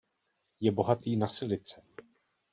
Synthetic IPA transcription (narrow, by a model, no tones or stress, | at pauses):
jɛbo̞ɦat̪iːnasɪlɪt͡sɛ